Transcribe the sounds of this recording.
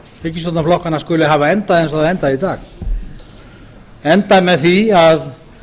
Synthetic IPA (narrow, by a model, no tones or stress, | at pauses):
ɛhcɪsvɔt̪naflɔhkanaskʏːlɪɦaːvaɛnt̪aðɛnsaðɛnt̪aðit̪aːx | ɛnt̪aðmɛðθiað